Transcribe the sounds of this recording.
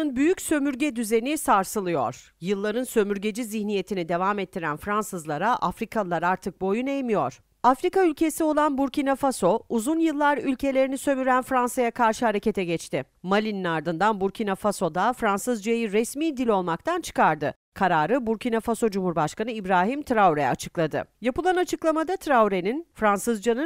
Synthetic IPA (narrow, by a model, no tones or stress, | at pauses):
ɯnbyjycsø̞myɾɟɛd̪yze̞nisaɾsɯlˠɯjo̞̰ɾ̥ | jɯlˠːaɾɯnsø̞myɾɟe̞d͡ʒiziçnije̞t̪ʰinid̪e̞vaːmɛt̪ʰːiɾænfɾansɯzlˠaɾaʔafɾikʰalˠaɾaɾt̪ʰɯk̚bojunejmijo̞ɾ̥ | afɾikaylʲcʰe̞sio̞lˠanbuɾcinafaso̞uzunjɯlˠːaɾylʲcʰe̞lʲe̞ɾinisø̞myɾænfɾansajakʰaɾʃɯhaɾece̞t̪ʰɛɟɛt͡ʃt̪ʰɪ | malʲininaɾd̪ɯnd̪anbuɾcʰinafaso̞d̪afɾansɯzd͡ʒajiɾɛsmiːd̪ilʲo̞lˠmak̚t̪ʰant͡ʃʰɯ̥kʰaɾd̪ɯ | kʰaɾaːɾɯbuɾcinafaso̞d͡ʒumhuɾbaʃkanɯibɾaːɦimt̪ʰɾawɾɛa̰t͡ʃʰɯklˠad̪ɯ̰japɯlˠanat͡ʃʰɯklˠamad̪at̪ʰɾawɾeninfɾansɯzd͡ʒanɯ